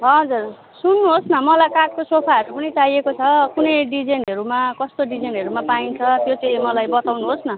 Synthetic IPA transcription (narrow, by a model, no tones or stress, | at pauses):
ɦʌd͡zur | sunːuɦosnʌmʌlajkaʈ̚kosopʰaɦʌɾupʌniʈajekot͡sʰʌkunʌjɖid͡zenɦʌɾumakʌst̪oɖid͡zenɦʌɾumapaint͡sʰʌt̪jot͡sʌĩmʌlajbʌt̪awnuɦosnʌ